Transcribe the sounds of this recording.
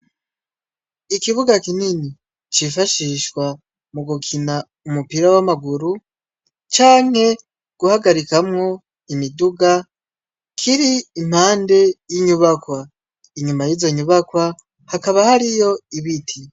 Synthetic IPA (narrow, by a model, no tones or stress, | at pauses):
ikiβuɡakinini | t͡ʃifaʃiʃkwa | muɡukʰina | umupiɾawamaɡuɾu | t͡ʃaːŋhe̞ | ɡ̥uhaɡaɾikamŋo̞ | imiduɡa | kʰiɾiːm̥haːnde̞jiɲuβakwa | iɲumajizoɲuβakwa | hakaβahaɾijo̞iβitʰi